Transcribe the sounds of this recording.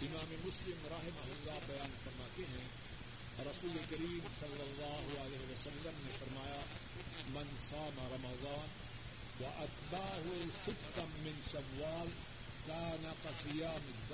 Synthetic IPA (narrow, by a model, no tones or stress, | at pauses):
ɪmaːmemʊslɪmɾɐɦɪmɐɦʊlːabɐjaːnfɐɾmaːt̪eɦɛ̃ | ɾɐsuːlekɐɾiːmsɐlːɐlːaːɦʊɐlɛːɦɪʋɐsɐlːɐmnefɐɾmaːja | mɐnsaːmaɾɐmɐzˤaːn | wɐʔɐt̪baːɦusɪbt̪ɐːɪnʃɐmːaːl | kaːnɐqɐsɪjaːmɪ